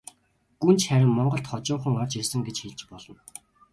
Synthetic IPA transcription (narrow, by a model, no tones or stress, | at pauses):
ɡ̥unt͡ɕχæɾʲɪ̆mmɔɴɢɞ̆ɬt̪χɔt͡ɕʊːɴχə̆ŋɔrt͡ɕirsə̆ŋɡet͡ɕxeɮt͡ɕpɔɮɞ̆n